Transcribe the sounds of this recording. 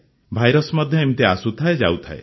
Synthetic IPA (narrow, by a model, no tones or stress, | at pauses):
bʱajɾɔsmɔd̪ʱjɔemit̪easut̪ʰaed͡ʒa̰ut̪ʰae